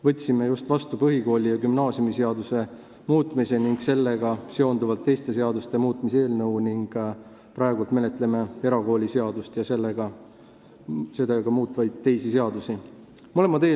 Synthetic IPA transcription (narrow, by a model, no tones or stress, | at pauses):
vɤt̪ʲːsimejust̪vɑst̪upɤɦiko̞ːlʲijɑkymnɑːsjumise̞ɑd̪use̞ | muːt̪ːˑmise̞niŋɡ̥se̞lːe̞ɡ̥ɑse̞o̞nd̪uvɑlt̪ːe̞jst̪e̞se̞ɑd̪ust̪e̞muːt̪ˑmis̬e̞ːlnɤwniŋɡ̥ | pɾɑeɡult̪me̞le̞t̪ˑleme̞e̞ɾɑɡo̞ːlʲise̞ɑd̪ust̪jɑse̞lːeɡ̥ɑ | se̞d̪eɡ̥ɑmuːt̪ˑvɑjd̪̥̚t̪ːe̞jsise̞ɑd̪usi | molemɑt̪eː